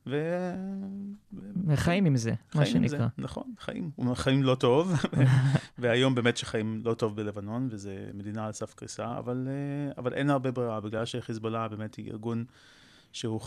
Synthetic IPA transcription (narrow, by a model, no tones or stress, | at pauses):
ve | eχajimimzemaʃienizʁanaχo̞̰nχa̰jḭmχajimlo̞to̞vveveajo̞mbeːmetʃeχajimlo̞to̞vbele̞vano̞nvezemed̪inaːlsafkʁḭsaa̰valeavalʔe̞̰nhaʁbebʁiʁabiɡlalʃeχizbolabe̞ːme̞thiʔḭʁɡun | ʃehu